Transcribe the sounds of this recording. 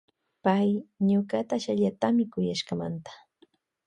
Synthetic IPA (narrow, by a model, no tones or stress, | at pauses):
pajɲoɢat̪aʃaʎat̪amɪkʊjaʃkama̰nt̪ḁ